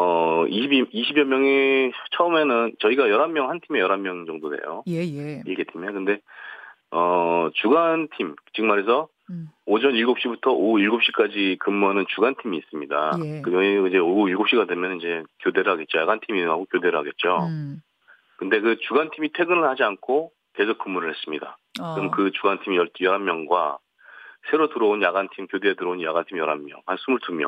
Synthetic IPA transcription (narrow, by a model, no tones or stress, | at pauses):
ʌiɕʰibiɕʰibjʌmjʌŋet͡ɕʰʌɯme̞nɯnt͡ɕʌiɡajʌɾamːjʌŋhantʰime̞jʌɾamːjʌŋd͡ʑʌŋdodwe̞̰jo̰iɭɡe̞tʰimekɯnde̞ | ʌt͡ɕuɡantʰimt͡ɕiɡɯŋmaɾes̬ʰʌ | od͡ʑʌniɭɡop̚ɕ͈ibutʰʌʔoiɭɡop̚ɕ͈ik͈ad͡ʑikɯmːuanɯnt͡ɕuɡantʰimiːs͈ɯmɲida̰kɯʌid͡ʑe̞oɡuɡiɭɡopɕ͈iɡadwe̞mjʌnɯnid͡ʑe̞kjode̞ɾɯɭɦaɡe̞t̚t͡ɕ͈ojaɡantʰiminɯŋɦaɡokjode̞ɾɯɭɦaɡe̞t̚t͡ɕ͈o | kɯnde̞kɯt͡ɕuɡantʰimitʰwe̞ɡɯnɯɭhad͡ʑiankʰo | ke̞sʰok͈̚umːuɾɯɭhe̞s͈ɯmɲida̰kɯʌmkɯt͡ɕuɡantʰimijʌtjʌɾɦamːjʌŋɡwa̰ | sʰe̞ɾotɯɾʌonjaɡantʰimkjodetɯɾʌonja̰ɡantʰimjʌɾɦamːjʌ̰ŋhansʰumuɭtumjʌ̰ŋ